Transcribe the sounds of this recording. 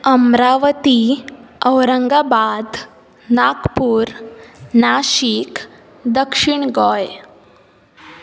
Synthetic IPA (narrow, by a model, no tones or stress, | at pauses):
əmɾaʋət̪iəwɾəŋɡabad̪ | nakpuːɾnaʃik | d̪əkʂiɳɡɔj